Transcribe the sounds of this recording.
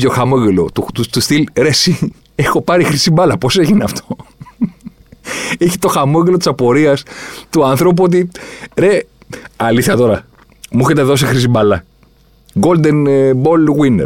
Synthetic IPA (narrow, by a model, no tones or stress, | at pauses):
joxamoɣelo̰t̪ut̪ut̪ust̪ilɾesi | exo̞pɐɾixɾisimbɐlɐpo̞seʝineɐft̪ʰo | eçi̥t̪o̞xamoɣlo̞t̪i̥sɐpo̞ɾiɐst̪uɐnθɾo̞p̬uot̪̬iɾeɐliθçɐt̪o̞ɾɐ | muçet̪eðo̞sixɾisimbɐlɐ | ɡo̞ld̪enbo̞lɣwinḛɾ